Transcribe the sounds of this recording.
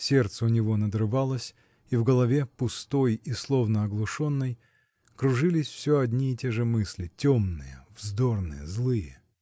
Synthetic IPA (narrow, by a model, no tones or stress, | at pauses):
sʲe̞rt̪səʊnʲɪvo̞nəd̪ɾɨvalˠəsʲ | ivɡəlˠɐvʲepʊst̪o̞jislˠo̞vnəɐɡlˠʊʂo̞nːəj | kɾʊʐɨlʲɪsʲfsʲoɐdʲnʲiɪtʲeʐɨmɨsʲlʲɪtʲomnɨjəvzd̪ornɨ̰jəzlˠɨjə